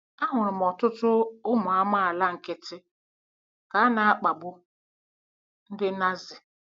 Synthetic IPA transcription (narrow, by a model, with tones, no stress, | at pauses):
a˦ɦʊ˨ɾʊ˨m˨ɔ˨tʊ˦tʊ˦ʊ˦mʊ˨a˦ma˦a˨la˦ŋ̩˨kɪ˦tɪ˦ | ka˨˦a˦na˨a˦k͡pa˨ɡ͡bʊ˦ | n̩˦dɪ˦na˦zɪ˨